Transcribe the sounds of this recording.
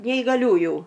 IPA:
nʲɛɪɡɐˈlʲuːjʊ

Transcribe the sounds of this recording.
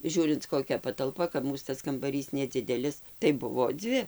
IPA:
ˈʒʲuːrʲɪnt koːˈkʲɛ pɐtɐlˠˈpɐ kɐp ˈmuːs tɐs kɐmbɐˈrʲiːs nʲɛˈd͡zʲɪdʲɛlʲɪs tɐɪ ˈbʊʋoː ˈd͡zʲʋʲɪ

